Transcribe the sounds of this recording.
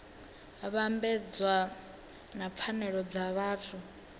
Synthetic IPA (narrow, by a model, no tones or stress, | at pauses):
βambɛd͡zwa | nap̪fʰanɛɺɔd͡zaβaːtʰu